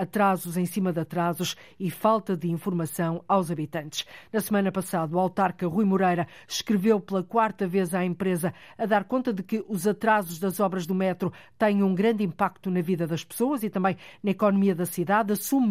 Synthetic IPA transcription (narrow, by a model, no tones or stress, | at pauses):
ɐt̪ɾazuzẽj̃simɐðɐt̪ɾazuʃifalˠt̪ɐðɨĩfuɾmɐsɐ̃w̃awzɐβit̪ɐ̃nt̪ɨ̥ʃnɐsmɐnɐpɐsaðɐuwawˠt̪aɾkɐʁujmuɾɐjɾɐ | ʃkɾɨvewplˠɐkwaɾt̪ɐvezaẽmpɾezɐɐðaɾkõnt̪ɐðɨkɨʔuzɐt̪ɾazuʒðɐzɔβɾɐʒðumɛt̪ɾut̪ɛ̃j̃ũɡɾɐ̃nd̪ĩmpak̚t̪unɐviðɐðɐʃpɨ̥soɐzit̪ɐ̃mbɐ̃j̃nɐikɔnumiɐðɐsiðaðɐsum